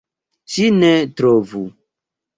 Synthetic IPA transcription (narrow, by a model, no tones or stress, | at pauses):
t͡ʃinetɾovu